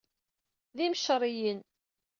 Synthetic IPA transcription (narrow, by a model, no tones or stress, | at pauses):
ðiməʃəɾˤijən